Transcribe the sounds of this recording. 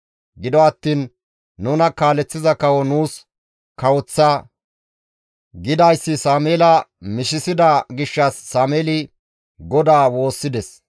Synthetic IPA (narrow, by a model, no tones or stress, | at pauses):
ɡɪd̪ɔɐt̪ːiːnː | uːnɐkaːlɛt͡sːɪzɐkɐwɔnuːs | kɐwɔt͡sːɐ | ɡɪd̪ɐjsːɪsaːmeːlɐmɪʃɪsɪd̪ɐɡɪʃːɐsːaːmeːlɪ | ɡɔd̪aːwo̞ːsːɪd̪ɛs